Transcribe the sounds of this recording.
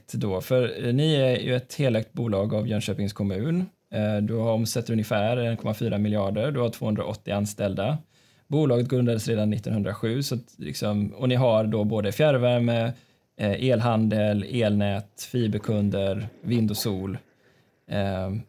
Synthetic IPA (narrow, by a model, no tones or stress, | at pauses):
t̪d̪ɔfœɾnɪæjɵ̰ɛt̪heːlɛk̚t̪̚buːlɑːɡavjœnɕøːpɪŋskʰɔmʉ̟ːn | d̪ɵhaɾɔmsɛt̪ːɾɵnjəfæːɾɛnkʰɔmafyːɾamɪlɪɑːɖəɾɖɵhaʈʰvo̰ːhɵnd̪ɾa̰ʔɔt̪ːɪanst̪ɛld̪a | buːlɑːɡət̪ɡɾɵnd̪ad̪əsɾeːd̪anːɪt̪ːɔnhɵnd̪ɾaɧʉ̟ːsat̪lɪ̰ksɔmɔnɪɦaɾɖɔboːd̪əfjæɾvæɾmə | ʔeːlɦand̪əleːlnɛːt̪fiːbəkʰɵnd̪əɾvɪnd̪ɔsuːl